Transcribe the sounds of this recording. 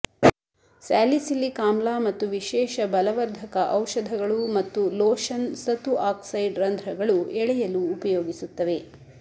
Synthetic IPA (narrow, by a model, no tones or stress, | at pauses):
saːlisilːikaːmlaːmɐt̪ːuʋiʃɛːʃɐbɐlɐʋɐɾd̪ʱɐkɐʔɐwʂɐd̪ʱɐɡɐɭumɐt̪ːuloːʃɐnsɐt̪uʔaːksɐjɖɾɐnd̪ʱɾɐɡɐɭuɛɭɛjɐluːpɐjoːɡisut̪ːɐʋe̞